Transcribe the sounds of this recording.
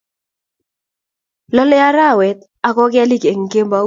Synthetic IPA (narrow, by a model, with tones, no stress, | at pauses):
lɔ˦lɛ˦a˦ɾa˦˨wɛ˨t̪̚ | a˨kɔ˦kɪ˦a˦li˦ke˨ŋ̩˨ke˦mba˦